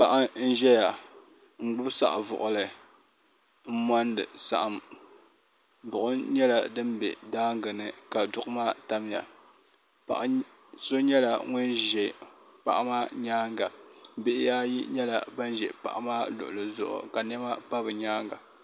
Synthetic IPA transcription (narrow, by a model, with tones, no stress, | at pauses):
pa˨ʔa˦n̩˦ʒɛ˦ja˨ | ŋ̩˨ɡ͡bʊ˦bsa̰˦˨ʔvʊ̰˨ʔʊ˨lɨ˨ | m̩˦ma˦ndɨ̰˨sa̰˨ʔa˨m | bʊ˨ʔʊ˦ɲɛ˦la˨dɨ˦mbɛ̰˨daː˦ŋɡɨ˨nɨ˨ka˨dʊ˦ʔʊ˦maː˦ta˦m˦ja̰˨ | pa̰˨ʔ | so˦ɲɛ˦la˨ŋʊ˦n˦ʒɛ˨pa̰˨ʔmaː˦ɲaː˦ŋɡa˨bɪ˦ʔɪ˦jaː˦jḭ˦ɲɛ˦la̰˨ba˦n˦ʒɛ˨pa̰˨ʔa˦maː˦lʊ̰˨ʔʊ˨lɨ˨zʊ̰˨ʔʊ̰˨ka˨nɛ˦ma˦pa˦bɨ˨ɲaː˦ŋɡa̰˨